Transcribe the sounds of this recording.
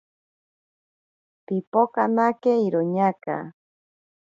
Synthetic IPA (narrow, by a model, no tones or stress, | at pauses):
pipokanakeiɾoɲaka̰